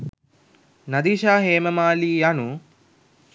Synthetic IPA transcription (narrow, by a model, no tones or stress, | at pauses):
nɐd̪iːʃaːɦeːməmaːliːanu